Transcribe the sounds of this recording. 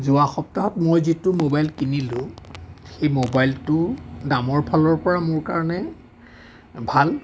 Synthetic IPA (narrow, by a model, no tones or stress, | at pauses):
zʊaxɔp̚taɦɔtmojzitʊmobajlkinilʊ̃xejmobajltʊdamɔɹpʰalɔɹpɔɹamʊɹkaɹɔnɛ | bʱal